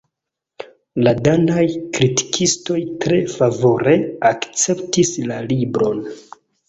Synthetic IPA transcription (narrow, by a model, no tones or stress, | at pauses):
ladanajkɾiti̥kʰisto̞jtɾe̞favo̞ɾe̞akt͡se̞ptislalibɾo̞n